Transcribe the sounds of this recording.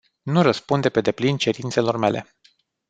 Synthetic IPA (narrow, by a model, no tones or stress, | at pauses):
nurəspund̪epe̞d̪e̞plint͡ʃe̞ɾint̪se̞lo̞rme̞lʔe̞̰